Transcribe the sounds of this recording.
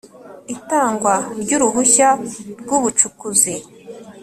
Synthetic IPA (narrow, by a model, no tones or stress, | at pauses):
itaːŋɡwaɾɟuɾuɦuçaɾɡuβut͡ʃukuzi